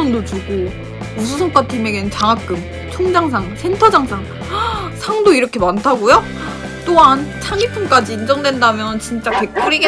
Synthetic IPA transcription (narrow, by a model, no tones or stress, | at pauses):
ŋdot͡ɕuɡo | us̬ʰus̬ʰʌŋk͈atʰimeɡeɯnt͡ɕaŋak͈ɯm | t͡ɕʰoŋd͡ʑaŋs̬ʰaŋsʰe̞ntʰʌd͡ʑaŋsʰaŋ | sʰaŋdoiɾʌkʰe̞mantʰaɡojo | t͈oɦant͡ɕʰaŋipʰɯmk͈ad͡ʑiːnd͡ʑʌŋdwe̞ndamjʌnt͡ɕint͡ɕ͈ake̞k̚k͈uɾiɡe